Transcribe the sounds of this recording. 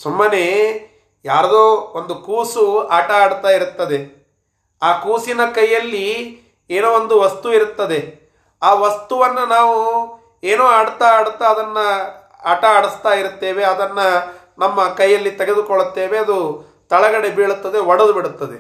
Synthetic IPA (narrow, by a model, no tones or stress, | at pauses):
sumːɐne | jaːɾɐd̪oːond̪ukuːsuaːʈɐaːɽt̪aːjiɾut̪ːɐd̪e̞ | aːkuːsinɐkɐjːɐlːi | eːnoːond̪uʋɐst̪uiɾut̪ːɐd̪e̞ | aːʋɐst̪uʋɐnːunaːʋu | eːnoːaːɽt̪aaːɽut̪ːaɐd̪ɐnːɐ | aːʈɐaːɽist̪aːjiɾut̪ːe̞ːʋe̞ɐd̪ɐnːɐ | nɐmːɐkɐjːɐlːit̪eɡe̞d̪ukɔɭut̪ːe̞ːʋe̞ɐd̪u | t̪ɐɭɐɡɐɽe̞beːɭut̪ːɐd̪e̞ɔɽɐd̪ubiɽut̪ːɐd̪e